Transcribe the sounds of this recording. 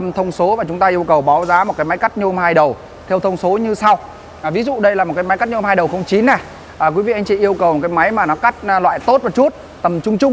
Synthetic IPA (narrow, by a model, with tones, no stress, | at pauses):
ə˧mt̪ʰə˧wŋ͡mso˨˦vaː˨˩t͡ɕʊ˨˦ŋ͡mt̪aː˧ʔi˧əwkə˨˩wɓa˨˦wzaː˨˦m˨˩t̚kaː˨˦jma˨˦jka˦˥k̚ɲɨ˧ho˧mhaː˧jɗə˨˩w | t̪ʰɛ˧wt̪ʰə˧wŋ͡mso˨˦ɲɨ˧sa˧w | ʔvi˨˦zṵ˧˨ɗə˧jlaː˨˩mo˨˩kːaː˨˦jm˨˦jka˦˥t̚ɲ˧hhaː˧jɗə˨˩wxə˧wŋ͡mt͡ɕi˨˦nːɛ˨˩ | ʔəː˨˩kwi˨˦vḭ˧˨a˧jŋ̟t͡ɕḭ˧˨ʔi˧əwkə˨˩wm̚˨˩kaː˨˦jma˨˦jmaː˨˩nɔ˨˦ka˦˥k̟̚lwa̰ː˧˨jt̪o˦˥t̚vaː˨˩t͡ɕu˦˥t̚ | t̪ə˨˩mt͡ɕʊ˧ŋ͡mt͡ɕʊ˧ŋ͡m